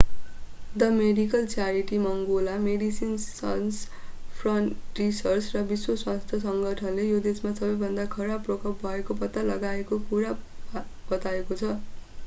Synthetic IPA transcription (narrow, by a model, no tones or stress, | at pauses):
d̪ʌmeɖikʌlt͡saɾiʈimʌŋɡolameɖisinsʌ̰jns | pʰrʌɳrisʌrt͡srʌbiswoswast̪ʰjʌs̬ʌŋɡʱʌʈʰʌnlejod̪esmasʌbʌjbʱʌnd̪akʰʌɾabrʌkʌp̚bʱʌekopʌt̪ːalʌɡaekokuɾa | b̥ʌt̪aekot͡sʰʌ